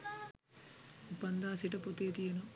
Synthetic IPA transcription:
upɐnd̪aːsiʈɐpot̪eːt̪ijɐno

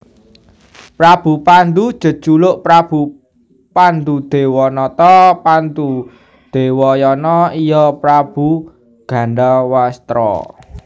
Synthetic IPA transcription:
pɾab̥ṳpand̪u̥ʒ̥ə̤̥ʒ̥ulʊʔpɾab̥u | pand̪ud̪̥e̤wɔnɔt̪ɔpant̪u | d̪̥e̤wɔjɔnɔijɔpɾab̥u | ɡ̥a̤nɖawast̪ɾɔ̰

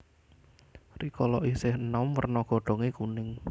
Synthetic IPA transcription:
rikɔlɔʔisɪhnɔmwərnɔɡ̥ɔ̤ɖ̥ɔ̤ŋekunɪŋ

